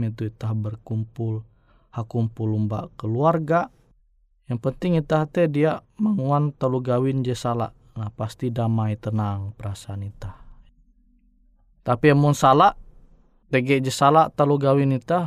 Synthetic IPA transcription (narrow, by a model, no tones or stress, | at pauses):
it̪uit̪ahbərkumpʊl | hakumpulumba̰ʔkəluarɡa | jaŋpənt̪ɪŋit̪aht̪ɛdiamaŋuant̪aluɡawɪnd͡ʒəsala̰ʔ | nahpast̪idamait̪ənaŋpəɾasaːnit̪ah | t̪apiamunsalaʔ | t̪əɡɛʔd͡ʒəsalaʔt̪aluɡawɪnit̪a